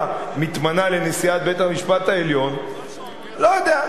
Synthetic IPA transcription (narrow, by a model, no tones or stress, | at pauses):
mit̪manale̞nesiat̪̚bet̪hamiʃpat̪aeljo̞n | lojod̪ea